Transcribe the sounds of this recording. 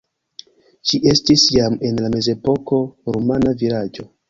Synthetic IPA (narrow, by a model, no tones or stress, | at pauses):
ʃiʔe̞stisjame̞nlame̞ze̞po̞ko̞ɾomanavilad͡ʒo̞